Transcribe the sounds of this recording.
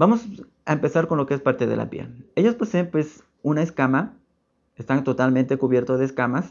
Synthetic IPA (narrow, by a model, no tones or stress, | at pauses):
bamo̞s | aempe̞saɾko̞nlo̞keespaɾt̪e̞ðe̞̰la̰pjḛe̞ʝosposeːmpwe̞s | unaeskama | est̪ant̪o̞t̪alment̪e̞kuβje̞ɾt̪oðeːskamas